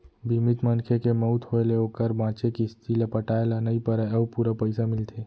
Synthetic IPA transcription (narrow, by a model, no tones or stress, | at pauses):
bʱimit̪mənkʰekemɔʊt̪ɦoeleoːkəɾbãːt͡ʃekist̪ʰilapəʈaːelanəipəɾəəpuɾapəɪsamɪlt̪ʰeː